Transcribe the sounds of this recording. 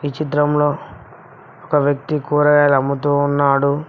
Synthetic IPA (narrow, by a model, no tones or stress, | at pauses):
ʋit͡ʃit̪̬ɾɐmlo̞ː | ɔkɐʋjɐk̚t̪ikuːɾɐɡaːlɐmːut̪̬uːnːaːɽu